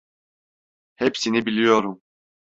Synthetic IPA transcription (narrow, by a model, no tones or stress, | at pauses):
hepsinibilʲijo̞ɾum